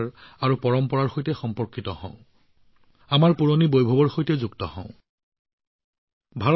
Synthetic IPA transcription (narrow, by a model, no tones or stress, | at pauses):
ɹaɹupɔɹɔmpɔɹaɹxojtɛxɔmpɔɹkʰːitɔhɔ̰̃ʊ̃ | amaɹpuɹonibojbʱɔbɔɹxojtɛzuɡtɔhɔ̰̃ʊ̃ | bʱaɔ